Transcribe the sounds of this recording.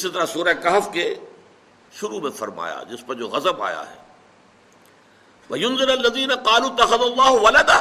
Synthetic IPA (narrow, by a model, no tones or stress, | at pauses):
ɪsit̪ɐɾasuːɾakaːfke | ʃʊɾumẽfɐɾma̰ːja̰d͡ʑɪspɐ̃ɪ̃ɲd͡ʑoɣɐzəba̰ːja̰ɦɛ̰ː | ʋɐjʊnzɪɾɐlːɐziːnɐqɑːluːt̪ːɐxɐðalˤːɑːɦʊʋɐlɐd̪a